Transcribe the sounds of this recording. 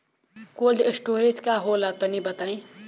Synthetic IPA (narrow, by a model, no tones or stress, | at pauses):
kolɖesʈoɾed͡ʒkaɦolat̪ənibət̪aĩ